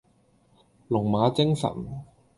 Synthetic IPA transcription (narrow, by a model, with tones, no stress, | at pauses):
lʊ˨˩ŋmaː˨˥t͡sɪ˥ŋsɐ̰˨˩n